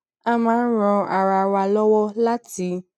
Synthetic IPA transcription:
a˧mãː˨˦n̩˦ɾ̃ɔ̃˧a˨ɾa˧˨wa˧lɔ˦wɔ˦la˦ti˧˦

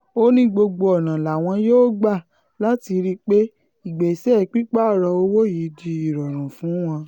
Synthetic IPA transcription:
o˦nĩ˦ɡ͡bo˧ɡ͡bo˧ɔ˨nã˨la˨w̃ɔ̃˧joː˦ɡ͡ba˦˨ | la˦ti˧ɾi˦k͡pe˦ | i˦˨ɡ͡be˨sɛ˦˨k͡pi˦k͡pa˦˨ɾɔ˧o˧wo˦ji˨˦di˧i˦˨ɾɔ˨ɾ̃ũ˨fũ˨˦w̃ɔ̃˧

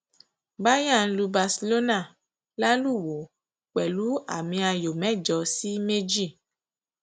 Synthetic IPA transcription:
ba˦ja˦˨n̩˦lu˧ba˧si˧lo˦na˦˨ | la˦lu˦˨wo˨ | k͡pɛ˨lu˦a̰˦˨mĩ˧a˧jo˨mɛ̃˦˨d͡ʒɔ˧si˦me˦d͡ʒi˦˨

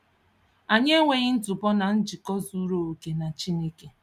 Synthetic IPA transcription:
a˨ɲe˦ŋʷe˨ɣɪ˦n̩˦tʊ˨pɔ˦na˨n̩˦d͡ʒi˨kɔ˦zu˦ɾo˨o˨ke˨na˨t͡ʃi˦ne˦ke˨

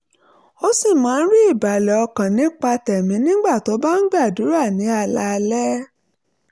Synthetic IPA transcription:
o˦si˦˨mãː˨˦˧n̩˦ɾi˦i˦˨ba˨lɛ˨ɔ˧kã˨nĩ˨˦k͡pa˧tɛ˨mĩ˨˦nĩ˦ɡ͡ba˦˨to˨˦ba˦n̩˦ɡ͡ba˦˨du˨˦ɾa˦˨nĩ˨˦a˦˨la˧lɛ˦

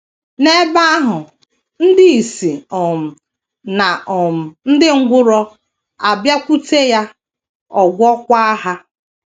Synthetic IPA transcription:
ne˦ba˦a˦ɦʊ˨ | n̩˦dɪ˦i˨si˨ɔ˨m̩˨ | na˨ɔ˨m̩˨n̩˦dɪ˦ŋ̩˦ɡʷʊ˦ɾɔ˦ | a˨bja˦kʷu˦te˦ja˦ | ɔ˨ɡʷɔ˦kʷa˦a˦ɦa˦

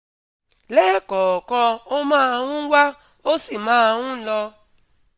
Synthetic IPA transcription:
lɛː˦kɔː˨kɔ˧o˦mãː˦˧wũ˦wa˦ | o˦si˦˨mãː˦˧wũ˦lɔ˧

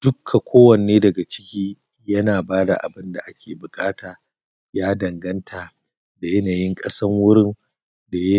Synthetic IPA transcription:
d̥ʊ˦kʰːa˨kʷʰoː˦wɐ˨neː˦dɐ˨ɡa˨t͡ʃɪ̥˦kʲiː˦ | jɐ˦naː˨baː˦da̰˨ʔa̰˨bɪ˦nda˨ʔa˦kʲʰeː˨bʊ˨kʼaː˦taː˨ | jaː˦dɐ˨ŋɡɐ˦ntʰaː˨ | da˨jɐ˦naː˨jɪ˦ŋkʼɐ˦sɐ˦ŋwʊ˦ɾɪ˦n | da˨jɐ˦

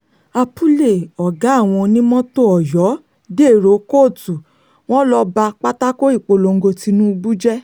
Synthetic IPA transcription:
a˧pu˦le˦˨ɔ˨ɡa˨˦˨w̃ɔ̃˧nĩ˦mɔ̃˦to˦ɔ˨jɔ˨˦ | de˦˨ɾo˨˦ko˦˨tu˨ | w̃ɔ̃˦lɔ˦ba˧k͡pa˦ta˦ko˦i˦˨k͡po˧lo˧ŋ̩˦ɡo˧ti˧nũ˦˧bu˦d͡ʒɛ˦

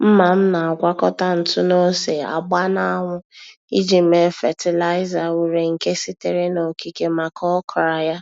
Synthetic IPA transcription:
m̩˦ma˨m̩˦na˨a˨ɡʷa˦kɔ˦ta˦n̩˨tʊ˦no˦se˨a̰˨ɡ͡ba˦na˦a˦˨ŋʷʊ˦ | i˦d͡ʒi˨˦me˨˦fɛ˨tɪ˨la˦ɪ˦za˨wu˨ɾe˨ŋ̩˨ke˦si˦te˦ɾe˦no˨ki˨ke˦ma˨kʰɔ˦kʰɔ˨ɾa˨ja˦

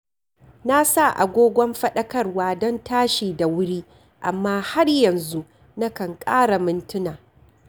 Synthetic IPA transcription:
na˦sa˦˨ʔa̰˨ɡʷoː˦ɡʷɔ˦mɸɐ˦ɗɐ˦kɐ˦rwaː˦dɔ˦ntaː˦ʃiː˨da˨wʊ˦ɽiː˦ | ʔa˨mːaː˦ha˦rjɐ˨nzu˦ | na˦kɐ˨ŋkʼaː˦ɽa˨mɪ˦ntʊ˦naː˨

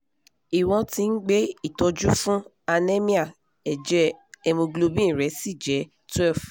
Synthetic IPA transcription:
i˨w̃ɔ̃˧tĩ˧n̩˦ɡ͡be˦i˦˨tɔ˧d͡ʒu˦fũ˦ | a˧nɛ˦mĩ˦a˦˨ | ɛ˨d͡ʒɛ˦ɛ˧mõ˧ɡlo˧bĩ˦˨ɾɛ˨˦si˦˨d͡ʒɛ˨˦ | twɛ˦˨f

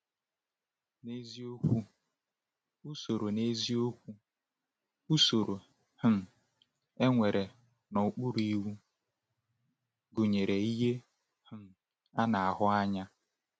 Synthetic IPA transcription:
ne˦zi˦o˦kʷu˦ | u˦so˨ɾo˨ne˦zi˦o˦kʷu˦ | u˦so˨ɾo˨ | hʊ˨m̩˨ | e˦ŋʷe˨ɾe˨ | nɔ˨u˨k͡pu˦ɾi˨wu˦ | ɡu˨ɲe˨ɾe˨i˦ɦe˦ | hʊ˨m̩˨ | a˦na˨a˨ɦʊ˦a˦ɲa˦

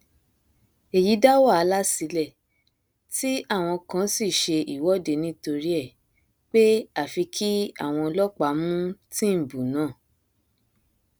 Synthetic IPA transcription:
e˨ji˨˦da˦wa˦˨a˨˧la˦si˨˧lɛ˦˨ | ti˦a˦˨w̃ɔ̃˧kã˧˦si˦˨ʃe˧i˦˨wɔ˨˦de˨˧nĩ˦to˧ɾi˦ɛ˦˨ | k͡pe˦a˦˨fi˧kʰi˦a̰˦˨w̃ɔ̃˧lɔ˦k͡pa˨˦mũ˦tĩ˦m̩˨bũ˨nãː˦˨

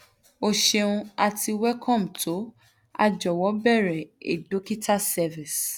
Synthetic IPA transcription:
o˧ʃe˧ũ˧a˧tʰi˧wɛ˦kʰɔ̃˦˨m̩˨tʰo˨˦ | a̰˧d͡ʒɔ˨wɔ˨˦bɛ˦˨ɾɛ˨ḛ˨do˨˦ki˦ta˦sɛ˧vĩ˨s

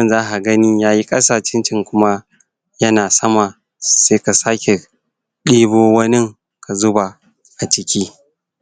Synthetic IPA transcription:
mɐ˨nzaː˦ɦa˨ɡɐ˦niː˦jaː˦ji˦kʼɐ˦saː˨ʃɪ˦nt͡ʃɪ˦ŋkʷʊ˦ma˦ | jɐ˦naː˨sɐ˦ma˨ | seː˦ka˨saː˦kʲe˨ | ɗiː˦boː˦wɐ˦nɪ˦ŋ | kʰa˨zʊ˦ba˨ | ʔa˨t͡ʃɪ˦kʲiː˦

